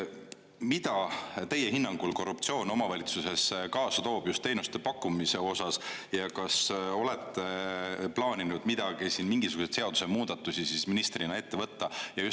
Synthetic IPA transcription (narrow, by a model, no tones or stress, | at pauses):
mid̪̥ɑt̪e̞jːeɦinːɑŋɡ̥ulko̞rːupt̪sio̞ːno̞mɑvɑlʲit̪suse̞skɑːsɑt̪o̞ːb̥just̪ːe̞jnust̪e̞pɑkːˑumise̞o̞sɑsjɑkɑso̞le̞t̪ːeplɑːnʲinud̪̥mid̪̥ɑɡ̥isiːnmiŋɡisuɡu̥set̪seɑd̪usemuːd̪̥ɑt̪ːˑusisisminist̪rinɑe̞t̪ːe̞vɤ̞t̪ːɑjɑjus